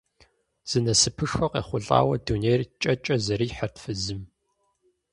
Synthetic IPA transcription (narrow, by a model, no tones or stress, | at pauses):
z̥ɨnɐsɨpʰɨʂxɐqḛːχʷʊɮʼa̰ːwɐdunejrt͡ʃʼɐt͡ʃʼɐzɐɾiːħərtfɨzɨm